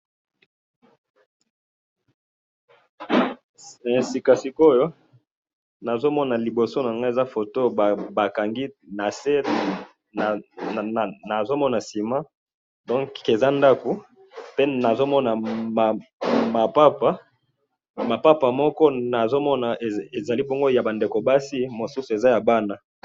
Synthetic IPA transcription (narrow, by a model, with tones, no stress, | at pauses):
si˨ka˨si˨ko˦jo˦ | na˨zo˦mɔ˦na˨li˨bo˨so˦na˨ŋɡa˦e˨za˦fo˨to˦˨ba˨ka˨ŋɡi˦na˨se˦˨ | na˨zo˦mɔ˦na˨si˨ma˦ | dɔ̃˦ŋke˨za˦nda˦ku˨ | pe˦na˨zo˦mɔ˦na˨ma˨ma˨pa˦pa˦ | ma˨pa˦pa˨mɔ˦kɔ˦na˨zo˦mɔ˦na˨e˨e˨za˨li˦bo˦ŋɡo˦ja˨ba˨nde˨ko˨ba˦si˦mo˨su˦su˨e˨za˦ja˨ba˦na˦